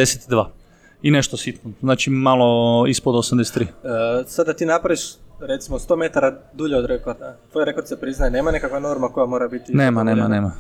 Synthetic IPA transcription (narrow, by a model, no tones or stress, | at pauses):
eset̪id̪ʋaː | ineʃt̪osit̪noznaːt͡ʃimaloispod̪osamd̪ese̥t̪ɾiːsad̪d̪ːat̪iːnapɾaʋiʃɾe̞t̪simost̪o̞ːme̞t̪aɾad̪uʎeod̪ɾekot̪at̪ʋojɾekot̪isepɾiznajeneːmanekakʋano̞ɾmako̞jamo̞ːɾabit̪inneːmaneːmaneːma